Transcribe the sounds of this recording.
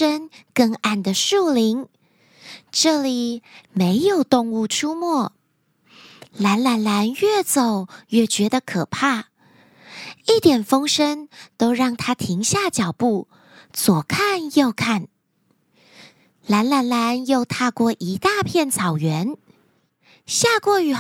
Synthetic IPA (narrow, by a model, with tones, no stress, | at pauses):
ə˥ŋkɤ˥˧ŋa˥˩nd̪ə˩ʂu˥˩li˧˥ŋ | ʈ͡ʂɤ˥˩li˨˩me˧˥ɪjo˨˩ʊt̪ʊ˥˧ŋu˥˩ʈ͡ʂʰu˥mwɔ˥˩ | la˧˥nla˧˥nla˧˥nɥɛ˥˩t͡so˨˩ʊɥɛ˥˩t͡ɕɥɛ˧˥d̪ə˧kʰɤ˨˩pʰa˥˩ | i˥˩t̪jɛ˨˩nfɤ˥ŋʂə˥ŋt̪o˥ʊɻɑ˥˩ŋt̪ʰa˥t̪ʰi˧˥ŋɕja˥˩t͡ɕjɑ˨˩ʊpu˥˩ | t͡swɔ˨˩kʰa˥˧njo˥˧ʊkʰa˥˩n | la˧˥nla˧˥nla˧˥njo˥˧ʊt̪ʰa˥˧kwɔ˥˩ʔi˧˥t̪a˥˧pʰjɛ˥˩nt͡sʰɑ˨˩ʊɥɛ˧˥n | ɕja˥˧kwɔ˥˩y˨˩